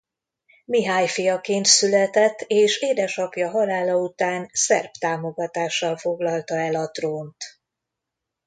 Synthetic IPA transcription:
miɦaːjfijɒkeːnt̪sylɛt̪ɛt̪ːeːʃeːd̪ɛʃɒpjɒɦɒlaːlɒut̪aːnsɛ̰rpt̪aːmo̞ɡɒt̪aːʃːɒlfo̞ɡlɒlt̪ɒɛlɒt̪roːnt̪

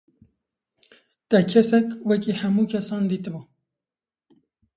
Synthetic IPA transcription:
t̪ɛkʰɛsɛkwɛkiːhæmuːkʰɛsɑːnd̪iːt̪ɨbu

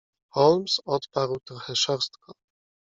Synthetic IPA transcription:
xɔlmsɔt̪paɾwt̪ɾɔxɛʂɔɾst̪kɔ

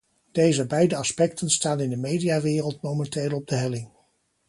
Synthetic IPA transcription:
d̥ejzəbɛjdəɑspɛk̚tʰənstaːnɪndəmejdijaːʋɪːrəlˠtmowmɛnteːlˠɔb̚dəɦɛlɪŋ

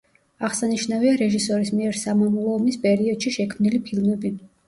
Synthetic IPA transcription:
aʁsaniʃnaviaɾɛʒisɔɾismiɛɾsamamulˠɔːmispʼɛɾiɔd̪̥ʃiʃɛkʰmnilipʰilˠmɛbi

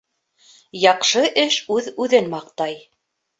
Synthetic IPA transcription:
jɑqʃɤʔɘʃʉðʉðɘnmɑqt̪ɑj

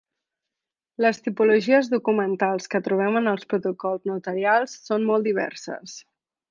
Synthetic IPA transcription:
ləst̪ipuluʒiəzðukumənt̪alˠskət̪ɾuβ̞ɛmənəlˠspɾut̪ukɔlˠznut̪əɾialˠsːonmɔlˠd̪iβ̞ɛ̰rsə̰s

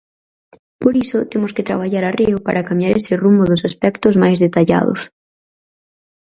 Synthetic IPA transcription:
poɾisʊt̪emʊskɪt̪ɾa̰β̞aʎaɾariʊpaɾakamjaɾesɪrumbʊðʊsaspɛkt̪ʊzmajzðet̪aʎa̰ðʊ̰s

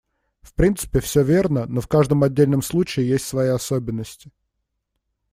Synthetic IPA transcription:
fpɾʲint̪sɨ̥pʲɪfsʲɵvʲe̞rnənofkaʐd̪əmɐdʲːelʲnəmslˠut͡ɕɪɪjesʲtʲsvɐjiɐsobʲɪnːəsʲtʲɪ̥

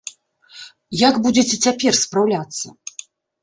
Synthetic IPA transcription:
jaɡbud͡zʲet͡sʲɛt͡sʲapʲɛrspɾawlʲat̪sːɐ̰

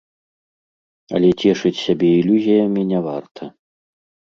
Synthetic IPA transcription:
ɐ̰lʲɛt͡sʲɛʂɨt͡sʲsʲabʲɛilʲuzʲijɐmʲinʲɛvart̪ʰɐ

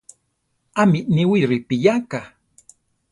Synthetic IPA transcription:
amɪʔniwiɾɪpɪjaka

